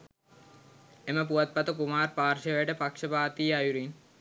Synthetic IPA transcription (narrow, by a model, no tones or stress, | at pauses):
eməp̬uɐt̪̚pɐt̪əkumaːɾpaːɾʃeʋeəʈəpakʂəpaːt̪iːajuɾin